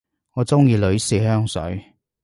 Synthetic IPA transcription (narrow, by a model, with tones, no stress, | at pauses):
ŋɔː˨˧t͡sʊ˥ŋjiː˨˧lɵ˨˧ɥsiː˨˧ɦœː˥ŋsɵ̰˨˥ɥ